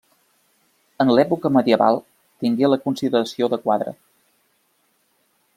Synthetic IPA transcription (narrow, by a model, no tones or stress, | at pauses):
ənlɛpukəməðiəβa̰lˠ | t̪iŋɡeləkunsiðəɾəsioðəkwaðɾə̰